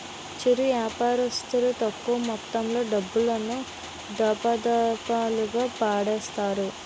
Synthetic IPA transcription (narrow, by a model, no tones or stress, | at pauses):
t͡ʃiɾiʋjaːpaːɾɐst̪iɾut̪ɐkːumɐt̪ːɐmlo̞ːɖɐbːulɐnu | d̪ɐpɐd̪ɐpaːluɡaːpaːɽɛːst̪aːɾu